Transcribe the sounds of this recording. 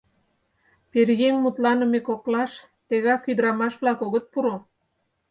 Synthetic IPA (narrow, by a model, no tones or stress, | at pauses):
perɣemːut̪lɑnəmekoklɑʃ | t̪eɣɑkyd̪əɾɑmɑʃβlɑkoɣət̪̚puɾo